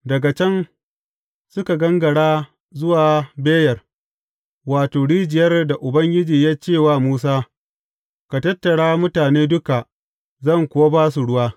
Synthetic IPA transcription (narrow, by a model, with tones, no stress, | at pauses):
dɐ˨ɡa˨t͡ʃɛ˦ŋ | sʊ˦ka˨ɡɐ˦ŋɡɐ˨ɽaː˦ | zʊ˦waː˨beː˦jɐ˨r | waː˨toː˨ɽiː˦d͡ʒɪ˨jɐ˦rda˨ʔʊ˨bɐ˦ŋɡʲɪ˦d͡ʒiː˨jaː˦t͡ʃeː˦˨waː˦muː˦s̬aː˦ | ka˨tɐ˦tːɐ˨ɽaː˦mʊ˦taː˨neː˦dʊ˦ka˨ | zɐ˦˨ŋkʷʊ˨wa˦baː˦su˨ɽʊ˦waː˦